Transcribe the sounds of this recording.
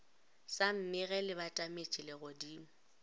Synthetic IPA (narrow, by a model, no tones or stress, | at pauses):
san̩nɪɣɛlɪbatʼamet͡ʃʼɪlɪɣʊdiːm̩